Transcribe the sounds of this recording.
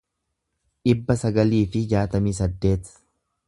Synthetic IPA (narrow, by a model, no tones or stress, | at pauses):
ᶑɪbːɐsɐɡɐliːfɪd͡ʒaːt̪ɐmiːsɐd̪ːe̞ːt̪